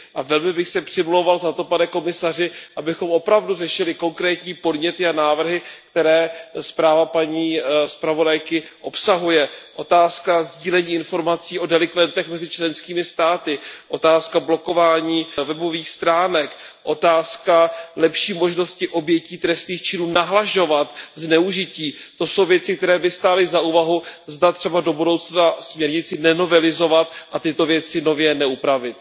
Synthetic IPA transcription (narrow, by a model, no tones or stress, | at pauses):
ʔavɛlmɪbɪxsɛpr̥ɪmlowvalzat̪o̞panɛko̞mɪsarɪʔabɪxo̞mʔo̞pɾavdurɛʃɪlɪko̞ŋkɾɛːt̪ɲiːpo̞dɲɛt̪ɪanaːvr̩ɦɪkt̪ɛɾɛːspɾaːvapaɲiːspɾavo̞dajkɪʔo̞psaɦujɛʔo̞t̪aːskazɟiːlɛɲiːɪnfo̞ɾmat͡siːʔo̞dɛlɪkvɛnt̪ɛxmɛzɪt͡ʃlɛnskiːmɪst̪aːt̪ɪʔo̞t̪aːskablo̞ko̞vaːɲiːvɛbo̞viːxst̪ɾaːnɛkʔo̞t̪aːskalɛpʃiːmo̞ʒno̞scɪʔo̞bjɛciːt̪ɾɛst̪niːxt͡ʃɪnuːnaɦlaʒo̞vat̪znɛuʒɪciːt̪o̞so̞wvjɛt͡sɪk̚t̪ɛɾɛːbɪst̪aːlɪzauːvaɦuzdat̪r̝̥ɛbado̞budo̞wt͡snasmɲɛɾɲɪt͡sɪnɛno̞vɛlɪzo̞vat̪̚ʔat̪ɪt̪o̞vjɛt͡sɪno̞vjɛnɛupɾavɪt̪̚